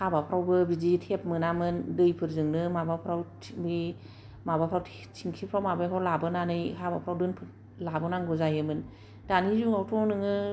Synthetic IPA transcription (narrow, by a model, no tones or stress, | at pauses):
habapʰɾawbɯbizitʰep̚mɯnamɯndɯjpʰɯɾzɯŋnɯmabapʰɾawtʰbi | mabapʰɾawtʰ | tʰiŋkʰipʰɾawmabajkʰalabɯnanɯjhabapʰɾawdɯnpʰɯ | labɯnaŋɡɔzajɯmɯn | d̥anizuŋawtʰɔnɯŋɯ